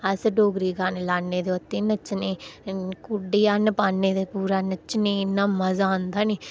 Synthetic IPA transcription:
əsɖoːɡɾiːkaːnlaːnːeːd̪eːʊt̪ːiːnət͡ʃːnẽːkuɖiːaːnpaːnːeːd̪epuːɾaːnət͡ʃːniɪnːaːməzaːõnd̪aːniː

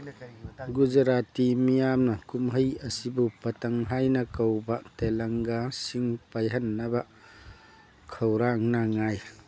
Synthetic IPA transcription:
ɡuzɐɾatimijamnɐkumɦəjɐsibupɐtɐŋɦajnɐkɐwbɐtelɐŋɡasiŋpajɦɐnːɐbɐ | kʰɐwɾaŋnaŋaj

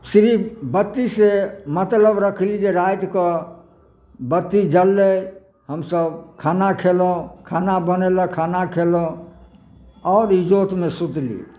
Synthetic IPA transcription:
sɾibət̪ːisemət̪ləbɾəkʰlid͡ʒeɾajt̪kə | bət̪ːid͡ʒəlːə | ɦəmsəbkʰanakʰelõkʰanabəneləkʰanakʰelõ | ɔːɾid͡ʒot̪mesut̪lḭ

